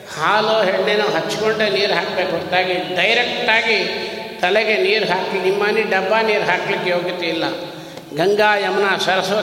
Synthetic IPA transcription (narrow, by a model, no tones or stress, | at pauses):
haːloːɦeɳneːnuɦɐt͡ʃːkoɳʈeniːɾɦaːkbeːkɦoːt̪aːɡiɖɐjɾekʈaːɡit̪ɐlɛɡeniːɾuɦaːkinimːaːniɖɐbːaːniːɾuɦaːklikːejoːɡit̪eilːɐ | ɡɐŋɡaːjɐmɐnasɐɾɐsɐʋɐ